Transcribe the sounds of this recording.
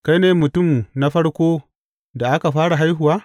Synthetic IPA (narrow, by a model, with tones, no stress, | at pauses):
ka˦jneː˨mʊ˨tʊ˦˨mna˦ɸɐ˦ɽkʷoː˦ | da˨ʔa˦ka˨ɸaː˦ɽa˨ɦa˦jɦʊ˨waː˦